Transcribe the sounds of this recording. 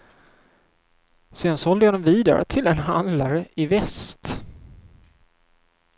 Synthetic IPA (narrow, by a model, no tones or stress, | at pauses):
seːd̪ansɔɔld̪əjad̪ɛmviːd̪a̰ɾə̰t̪ʰɪlɛnɦa̰nd̪laɾəʔɪvɛst̪